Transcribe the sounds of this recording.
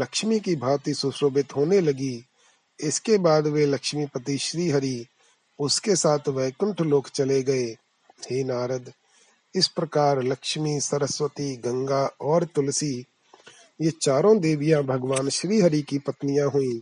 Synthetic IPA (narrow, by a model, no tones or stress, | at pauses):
lɐkʃmikibʱaːɾt̪isʊʃɾoːbɪt̪ɦoːnelɐɡi | ɪskebaːd̪ʋeləkʃmipət̪iʃɾiːɦəɾi | ʊskesaːt̪ʰʋɛːkə̃ɳʈʰloːkt͡ʃɐleɡɐeː | heːnaːɾəd̪ | ɪspɾəkaːɾləkʃmisɐɾəswət̪iɡɐ̃ŋɡaɔːɾt̪ʊlsi | jet͡ʃaːɾõd̪eːʋɪjãbʱəɡʋaːnʃɾiːɦəɾikipət̪nɪjãɦuĩː